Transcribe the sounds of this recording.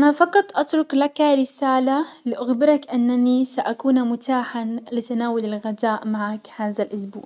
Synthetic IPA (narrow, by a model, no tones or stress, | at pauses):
ʔanafɑqɑt̪ˤʔɑt̪ɾˤʊklakaɾɪsaːlalɪʔaxbɪɾˤɑkʔanːanisaʔakuːnamʊt̪aːħalɪt̪anaːwalɪlɣad̪aːʔmaʕakhaːðalʔʊsbṵːʕ